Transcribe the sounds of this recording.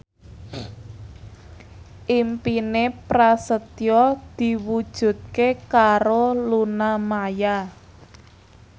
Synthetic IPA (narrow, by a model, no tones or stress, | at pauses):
ʔimpinepɾasət̪jɔd̪̥i̤wud̥ʒ̥ṳt̪̚kekaɾolunamaja